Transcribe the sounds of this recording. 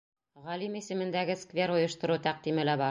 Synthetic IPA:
ʁɒlimisɘ̆mɘ̆nd̪æɡɘskvʲe̞ɾojɤ̆ʃt̪ŏɾut̪æq̚d̪imɘ̆læbɑɾ

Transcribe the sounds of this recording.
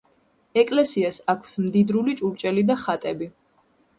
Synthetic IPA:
ɛkʼlɛsiasakʰsmd̪id̪ɾulit͡ʃʼuɾt͡ʃʼɛlid̪aχat̪ʼɛbi

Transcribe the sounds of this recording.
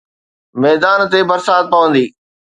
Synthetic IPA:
mɛːd̪aːnt̪ebɐɾsaːt̪̚pɐʋə̃nd̪iː

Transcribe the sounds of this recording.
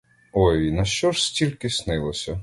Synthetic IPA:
ɔjnɐʃt͡ʃɔʂsʲtʲilʲkɪsnɪlˠɔsʲɐ

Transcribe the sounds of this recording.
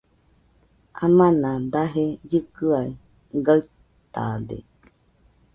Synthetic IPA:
amãnãd̪aɦed͡ʒɨkɯai | ɡaɨ | t̪a̰d̪ḛ

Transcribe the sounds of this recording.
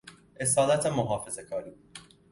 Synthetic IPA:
ʔe̞sɒːlæt̪ʰemoɦɒːfe̞ze̞kʰɒːɾiːbuːd̪̥

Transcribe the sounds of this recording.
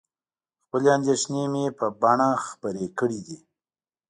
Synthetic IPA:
xpəleand̪eʂnemepəbaɳaxpəɾekəɽid̪i

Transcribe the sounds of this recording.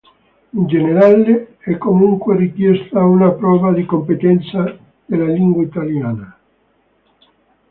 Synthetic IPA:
ind͡ʒeneɾaleɛkomuŋkwerikjɛst̪aunapɾɔβaðikompet̪ɛnsa | d̪elaliŋɡwait̪aljana

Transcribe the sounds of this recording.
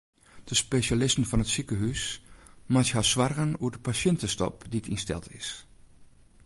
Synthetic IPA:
d̥əspeʃalɪstən̩fɔnətsikəɦysmashasʋarɣənuədəpasjɪntəstɔ̰pditʰinstɛ̰lˠtʰɪs

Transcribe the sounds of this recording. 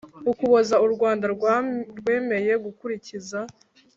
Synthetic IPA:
ukuβozauɾɡwaːndaɾɾɡwe̞ːme̞je̞ɡukuɾiciza

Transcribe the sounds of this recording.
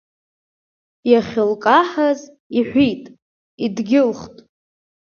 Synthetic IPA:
jaχʲɪlkʼaħaz | iħʷitʼ | idɡʲɪlχtʼ

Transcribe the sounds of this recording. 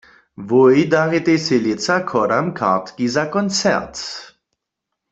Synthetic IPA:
vojd̪aʁet̪eselɪt͡sakʰɔɾamkʰa̰ʁt̪kizakɔnt͡sɛ̰ʁt̪

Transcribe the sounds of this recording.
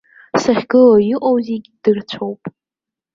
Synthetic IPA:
saχʲɡɨlajɪqʼowziɡʲd̥ɨrt͡ɕʷʰowpʼ

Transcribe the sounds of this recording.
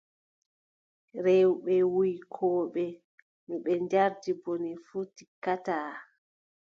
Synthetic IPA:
ɾɛwɓɛwujkʰɔːɓɛ | miɓɛnd͡ʒaɾdibɔnifuti̥kataː

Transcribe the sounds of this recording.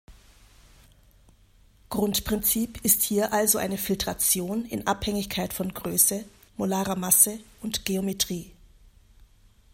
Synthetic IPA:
ɡ̥ʁʊntpʁ̥ɪnt͡siːpʰɪsthiːɐʔalzoʔa̰ɪnəfɪltʁ̥at͡sjoːnɪ̰nʔaphɛŋɪçkʰaɪtfɔnɡʁøːsə | molaːʁamasəʊntɡ̥eometʁ̥iː

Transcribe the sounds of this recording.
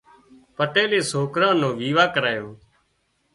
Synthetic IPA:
pəʈeːleːsoːkɾãːnõːʋiːʋaːkəɾaːjoː

